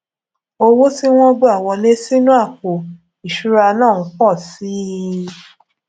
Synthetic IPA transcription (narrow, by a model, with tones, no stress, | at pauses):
o˧wo˦si˦w̃ɔ̃˦ɡ͡bo˦a˦˨wɔ˧le˦si˦nũ˦a˦˨ko˨ | i˨ʃu˦ɾa˧nãː˦˨ũ˧˦kɔ˦˨si˦